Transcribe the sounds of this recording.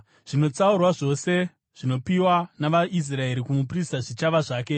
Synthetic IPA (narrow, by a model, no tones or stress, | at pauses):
ʐ̥ino̞t͡saurwaʐo̞se̞ | ʐ̥ino̞piwanaʋaʔis̬rae̞ɾikumup̬ristaʐit͡ʃaʋaʐaːke̞